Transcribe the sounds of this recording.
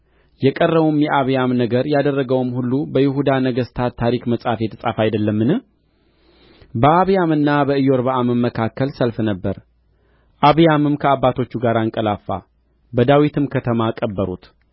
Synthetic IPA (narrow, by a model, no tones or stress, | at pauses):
jɛkʼərːəβumjɛʔaβjamnəɡəɾjad̪ərːəɡəwmhulːubəjɪhud̪anəɡəst̪ʰat̪t̪ʰːaɾikməsʼafjɛt̪ʰəsʼafajd̪əlːəmːɨnɨ | bəaβjamɨnːabəɨjo̞ɾβaʔaməmːəkʰakːəlsəlfnəbːəɾ | ʔaβjamɨmkʰəabːat̪ʰo̞t͡ʃːuɡaɾaŋkʼəlafːa̰ | bəd̪awit̪ʰɨmkʰət̪ʰəmakʼəbːəɾṵt̪